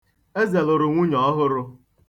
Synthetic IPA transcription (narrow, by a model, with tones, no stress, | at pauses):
e˦ze˨lo˨ɾʊ˨ŋʷu˦ɲɔ˨ɔ˦ɦʊ˦ɾʊ˦